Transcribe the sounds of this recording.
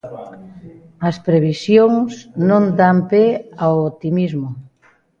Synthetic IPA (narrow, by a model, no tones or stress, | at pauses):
ɐspɾeβ̞isjoŋsnõnd̪ampeawot̪imizmʊ